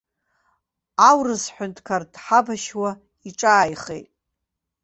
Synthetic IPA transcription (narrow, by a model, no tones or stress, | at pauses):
awrɨzħʷᶣʊntʰkʰardħabaʃwa | iʈ͡ʂʼaːjχḛjtʼ